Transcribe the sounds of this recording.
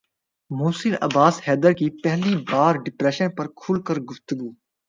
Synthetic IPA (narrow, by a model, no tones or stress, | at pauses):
muːsɪlɐ̰baːshɛːd̪əɾkiːpɛɦlibaːɾɖɪpɾɛːʃənpɐɾkʰʊlkəɾɡʊft̪ʊɡuː